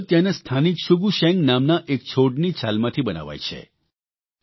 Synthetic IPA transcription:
t̪janest̪ʰanikʃuɡuʃɛ̃ŋɡnamnaʔek̚t͡ʃʰoɖnit͡ʃʰalmãt̪ʰibəna̰ʋa̰jt͡ʃʰḛ

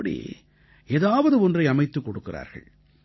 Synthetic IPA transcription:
ɐɽḭː | eːðaːʋɐðɯɔndrɐɪɐmɐɪt̪ːɯkːɔɽɯkːɪra̰ːɾɣɐ̰ɭ

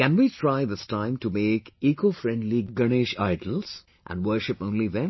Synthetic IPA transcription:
kæ̃nwitʰɾaɪðɪstãɪ̃mtumeːkiːkofɾɛ̃ndliɡəneʃa̰ɪɖəl̩z̥ | ʔæ̰̃nɖwəʃɪpõːnliðɛ̃m

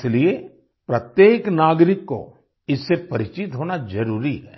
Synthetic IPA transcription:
slie | pɾɐt̪jeːknaːɡɾɪkːo̰ | ɪsːepɐɾɪt͡ʃɪt̪ɦoːnazɐɾuːɾiɦɛ̰ː

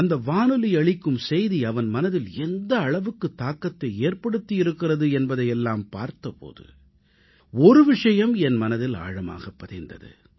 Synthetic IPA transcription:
ɐnd̪ɐʋaːnɯlɪɐɭɪkːɯmsɛjðiɐʋɐnmɐnɐðɪlɛnd̪ɐːɭɐʋɯkːɯt̪ːaːkːɐt̪ːɐɪeːrpɐɽɯt̪ːijɪɾɯkːɪrɐðɯɛnbɐðɐɪjɛlːaːmpaːɾt̪ɐpo̰ːðɯ̰ | ɔɾɯʋɪʂɐjɐmɛnmɐnɐðɪla̰ːɻɐma̰ːɣɐpːɐðɪnd̪ɐ̰ðɯ̰

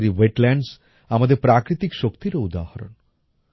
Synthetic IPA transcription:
ɾiʋeʈlɛɳɖs | amad̪eɾpɾakɾit̪ikʃokt̪iɾɔud̪ahaɾo̰n

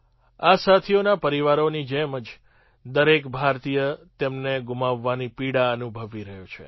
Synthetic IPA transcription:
asat̪ʰionapəɾiʋaɾonid͡ʒɛməd͡ʒ | d̪əɾekbʱaɾt̪ijət̪emneɡumaʋːanipiɽaənubʱəʋiɾəɦjũt͡ʃʰḛ

